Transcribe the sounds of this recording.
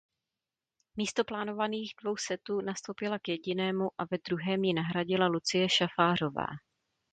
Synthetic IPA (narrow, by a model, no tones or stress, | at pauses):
miːst̪o̞plaːno̞vaniːɣdvo̞wsɛt̪uːnast̪o̞wpɪlakjɛɟɪnɛːmuʔavɛd̪ɾuɦɛːmjɪnaɦɾaɟɪlalut͡sɪjɛʃafaːr̝o̞va̰ː